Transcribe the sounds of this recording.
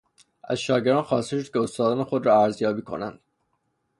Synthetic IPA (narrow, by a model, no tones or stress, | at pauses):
ʔæ̰zʃɒːɟeɾd̪ɑːnxɒːst̪e̞ʃod̪̚cʰeost̪ɒːd̪ɒːnexo̞d̪ɾɒːæɾzjɒːbiːkʰo̞̰næ̰nd̪̥